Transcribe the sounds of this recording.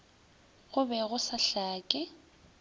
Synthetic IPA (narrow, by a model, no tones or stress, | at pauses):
ɣʊbɛɣʊsaɬaːkʼɪ